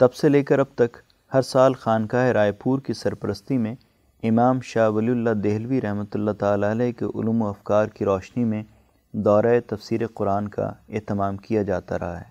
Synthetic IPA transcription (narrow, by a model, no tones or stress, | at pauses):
t̪ɐbseleːkɐɾɐb̚t̪ɐk | hɐɾsaːlxaːnkaːeɾaːjpuːɾkisɐɾpəɾəst̪imẽ | ɪmaːmʃaːʋɐliʊlːad̪eːɦlʋiɾɐɦmət̪ʊlːat̪aːlaɐlɛɦkḛʔʊ̰luːmoɐfkaːɾkiɾɔːʃnimẽ | d̪ɔːɾaet̪ɐfsiːɾeqʊɾaːnka̰eːt̪ɪmaːmkijad͡ʒaːt̪a̰ɾɐ̰ɦa̰ɦɛː